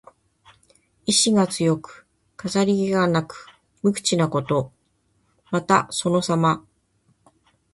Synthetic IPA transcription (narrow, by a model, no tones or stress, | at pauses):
iɕiɡat͡sɨjo̞kɯ̥ | kazaɾʲiɡiɡanakɯ̟̥ | mɯ̟kɯ̥t͡ɕinako̞t̪o̞ | mat̪aso̞no̞sama